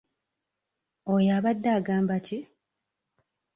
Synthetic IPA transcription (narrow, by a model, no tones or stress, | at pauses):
ojaβadːaːɡaːmbaci